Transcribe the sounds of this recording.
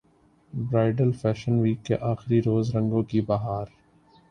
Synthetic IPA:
bɾaːɪɖəlfɛːʃənʋiːkːḛʔaːxɪɾiɾoːzɾɐ̃ŋɡõkibaɦaːɾ

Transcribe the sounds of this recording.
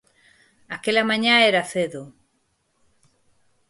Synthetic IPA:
akelamãɲãeɾaθeðo

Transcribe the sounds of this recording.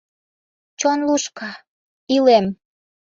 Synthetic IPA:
t͡ɕonluʃkɑ | ilem

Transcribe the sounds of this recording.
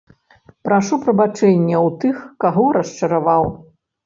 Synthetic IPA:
pɾaʂupɾɐbat͡ʂɛnʲːɛwt̪ɨxkaɣɔɾɐʂt͡ʂɐɾavaw

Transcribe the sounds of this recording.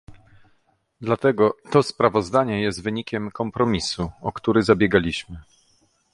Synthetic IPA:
d̪lat̪ɛɡɔt̪ɔspɾavɔzd̪aɲɛjɛst̪vɘɲikʲɛmkɔmpɾɔmʲisuɔkt̪uɾɘzabʲjɛɡalʲiɕmɘ

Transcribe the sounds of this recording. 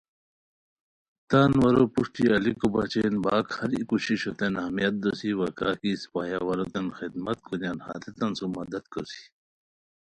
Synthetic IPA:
t̪aːnwɐɾopuʂʈ̪iɐlikobat͡ɕenbaːkhɐɾikuɕiɕot̪enahmijɐt̪̚d̪osiwɐkaːkispaja̰wɐɾot̪enxid̪mɐt̪̚kunjanha̰ːt̪et̪ɐnsumɐd̪ɐd̪koɾsi̥

